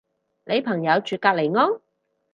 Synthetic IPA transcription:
nʔe˨˧jpʰɐ˨˩ŋjɐ˨˧wt͡ʃyː˨˧kaː˧k̚le˨˩jŋɔː˥ŋ

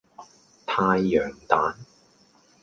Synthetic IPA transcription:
t̪ʰaː˧jːœː˨˩ŋt̪aː˨˥n

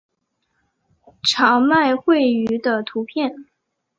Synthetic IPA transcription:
ʈ͡ʂʰɑ˧˥ŋma˥˧ɪxwe˥˩ɪy˧˥d̪ə˧t̪ʰu˧˥pʰjɛ˥˩n

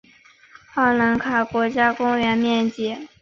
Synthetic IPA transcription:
xɑ˥˩ʊla˧˥nkʰa˨˩kwɔ˧˥t͡ɕja˥kʊ˥ŋɥɛ˧˥nmjɛ˥˩nt͡ɕjɛ˧˥˦

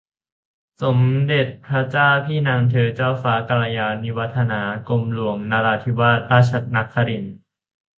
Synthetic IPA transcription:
so˩˦mde˨˩t̪̚pʰɾa˦˥t͡ɕaː˥˩wpʰiː˥˩naː˧ŋt̪ʰɤː˧t͡ɕaː˥˩wfaː˦˥ka˧la˧jaː˧ni˦˥wa˦˥t̪ʰːa˧naː˩˦ko˧mlu˧˩˦əŋna˧laː˧t̪ʰi˦˥waː˥˩t̪̚ɾaː˥˩t͡ɕʰa˨˧˩na˦˥kʰːa˧ɾi˨˩n

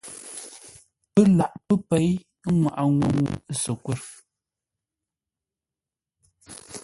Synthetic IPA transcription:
pə˦la˨ʔpə˦pe˨˦j | ŋwa̰˨ʔa˨ŋwṵ˨ŋṵ˨sə˨kwɛ˦˨ɾ

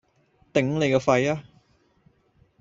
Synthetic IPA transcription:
t̪ɪ˨˥ŋle˨jkɔ˧fɐ˧jaː˦˥

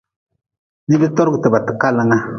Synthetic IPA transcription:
ni˦bi˦tɔ˦ɾɡu˨te˨ba˨tə˨ka˦la˨ŋa˦

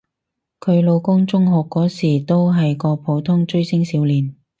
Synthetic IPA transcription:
kʰɵ˨˧ɥlo˨˧wkʊ˥ŋt͡ʃʊ˥ŋɦɔː˨kːɔː˨˥siː˨˩t̪o˥wɦɐ˨jkɔː˧pʰo˨˥wt̪ʰʊ˥ŋt͡ʃɵ˥ɥsɪ˥ŋsiː˨˥wliː˨n

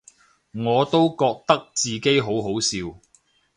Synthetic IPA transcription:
ŋɔː˨˧t̪o˥wkɔː˧k̚t̪ɐ˥k̚t͡siː˨ke˥jɦo˨˥wɦo˨˥wsiː˧w

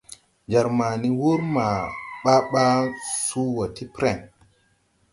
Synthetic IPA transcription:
d͡ʒa˨ɾma˨ni˦wu˦ɾma˨ɓa˦ɓa˦su˦wa˨ti˦pɾɛ˨ŋ

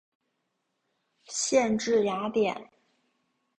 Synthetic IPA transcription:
ɕjɛ˥˧nʈ͡ʂɻ̩˥˩ja˧˥t̪jɛ˨˩˦n

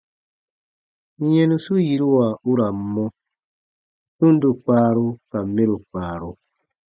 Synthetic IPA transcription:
jɛ̃˦nu˦su˦ji˦ɾu˦wa˨u˦ɾa˨m˦mɔ̃˦ | hũ˦n˦du˨k͡paː˦ɾu˦ka˨mːe˦ɾu˨k͡paː˨ɾu˦

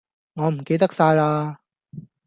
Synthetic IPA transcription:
ŋɔː˨˧m̩˨˩ke˧jt̪ɐ˥k̚saː˧jlaː˧

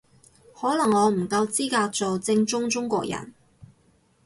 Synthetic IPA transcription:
hɔː˨˥lɐ˨˩ŋɔː˨˧m̩˨˩kɐ˧wt͡siː˥kaː˧k̚t͡so˨wt͡sɪ˧ŋt͡ʃʊ˥ŋt͡ʃʊ˥ŋkʷɔː˧k̚jɐ̰˨˩n

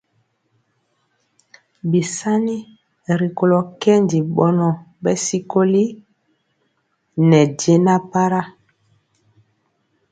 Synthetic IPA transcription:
bi˨sa˦ni˦ | ɾi˨ko˨lɔ˨kɛ˦ndi˨ɓɔ˦nɔ˨ | bɛ˦si˦ko˦li˦ | nɛ˨de˦na˦pa˦ɾa˦

